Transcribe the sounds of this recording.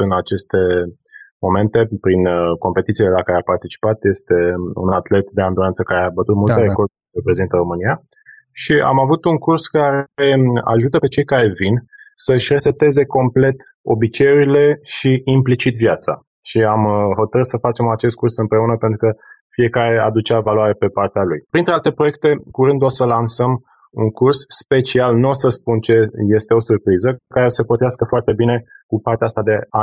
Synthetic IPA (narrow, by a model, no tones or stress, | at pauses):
ɨnat͡ʃe̞st̪e̞ | mo̞me̞nt̪e̞pɾinko̞mpe̞t̪it̪sielelakaɾeapart̪it͡ʃi̥pat̪je̞st̪e̞ṵnat̪le̞t̪d̪e̞and̪uɾant̪səkaɾe̞abət̪ut̪̚mult̪eekort̪ | epɾe̞zint̪əɾo̞mɨnia | ʃia̰mavut̪uŋkurskaɾe̞a̰ʒut̪əpe̞t͡ʃe̞jkaɾe̞vin | səʃʲresep̚t̪e̞ze̞ko̞mple̞t̪ | o̞̰bit͡ʃe̞juɾile̞ʃiːmplit͡ʃit̪vjat̪sa̰ | ʃiamɦo̞t̪əɾɨt̪səfat͡ʃe̞mat͡ʃe̞s̬t̪kursɨmpɾe̞unəpe̞nt̪ɾukəfie̞kaɾe̞ad̪ut͡ʃeavaluaɾepe̞part̪ealujpɾint̪ɾealt̪epɾo̞jek̚t̪e̞kuɾɨnd̪uosəlansəm | uŋkursːpe̞t͡ʃialnuosəspunt͡ʃe̞je̞st̪e̞o̞surpɾizəekaɾeosəpot̪ɾiaskəfoart̪e̞bine̞ | kupart̪east̪ad̪e̞a